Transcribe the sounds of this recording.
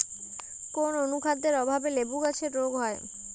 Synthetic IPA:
kononukʰad̪d̪eɾɔbʱabelebuɡat͡ɕʰeɾɾoɡɦɔe

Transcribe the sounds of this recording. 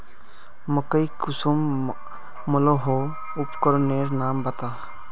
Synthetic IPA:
məkəikʊsumː | ʊloɦo | ʊpkɔɾneːɾnaːmbət̪aː

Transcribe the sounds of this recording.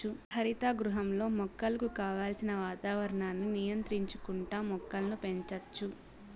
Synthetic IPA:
upʰɐɾit̪aːɡɾuɦɐmlo̞ːmɔkːɐlɐkukaːʋaːlsinɐʋaːt̪aːʋɐɾɐɳaːnːunijɐnt̪ɾiɲt͡ʃu̥kuɳʈaːmɔkːɐlɐnupe̞ɲt͡ʃɐt͡ʃːu

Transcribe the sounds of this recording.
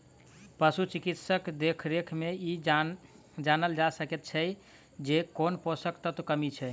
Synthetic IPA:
pəsut͡ʃikit̪səkd̪ekʰɾekʰmei | d͡ʒanəld͡ʒasəkɛt̪̚t͡ʃʰɛj | d͡ʒekonposəkt̪ət̪kəmit͡ʃʰɛ

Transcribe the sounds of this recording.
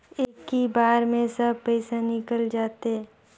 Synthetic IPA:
eːkːibaːɾmẽsəb̚ʱpɛɪsanɪkəld͡ʒaːt̪eɛ

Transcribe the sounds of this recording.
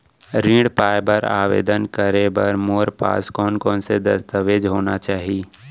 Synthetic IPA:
ɾĩːɽpaːjbəɾa̰ːʋḛːd̪ənkəɾebɐɾmoːɾpa̰ːskɔːnkɔːnsed̪əst̪əʋeːd͡ʒɦoːnat͡ʃaːɦiː

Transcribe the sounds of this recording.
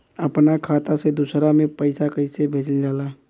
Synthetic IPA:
əpnakʰaːt̪ased̪ʊsɾamẽpəɪsakəɪsebʱeːt͡ʃəld͡ʒaːlaː

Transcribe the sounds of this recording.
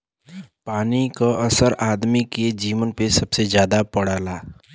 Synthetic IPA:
paːnikoʔɐsəɾaːd̪miked͡ʒiːʋənpesɐbsezjaːd̪apɐɽaːlaː

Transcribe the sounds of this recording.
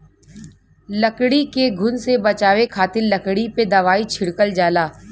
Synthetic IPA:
lɐkɽikeɡʱʊnsebɐt͡ʃaːʋekʰaːt̪ɪɾlɐkɽiped̪ɐʋaːit͡ʃʰɪɽkəld͡ʒaːlaː

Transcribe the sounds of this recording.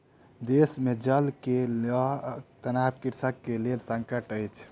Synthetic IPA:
d̪esmed͡ʒəlke | t̪ənabkiɾsəkːelelsə̃ŋkəʈəjt͡ʃʰ

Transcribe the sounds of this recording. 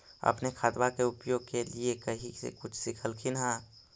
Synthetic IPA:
ɐ̰pnekʰaːd̪wakeʊpjoːɡ̚keliekəɦisḛkʊt͡ʃʰsɪkʰəlkʰɪnɦãː

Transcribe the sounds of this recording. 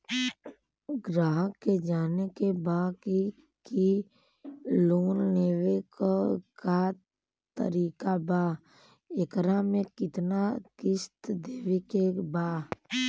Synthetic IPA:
ɡɾaːɦəkːed͡ʒaːnekebaːki | ki | loːnneːwekka | t̪ə̰ɾiːkabaː | ekɾamẽkɪt̪nakɪst̪d̪eːwekebaː

